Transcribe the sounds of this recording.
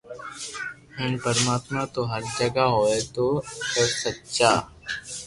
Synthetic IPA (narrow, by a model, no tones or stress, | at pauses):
ɦɪnpəɾəmaːt̪mat̪oɦɐɾd͡ʒəɡaɦoːet̪oɐɾsɐtːʃaː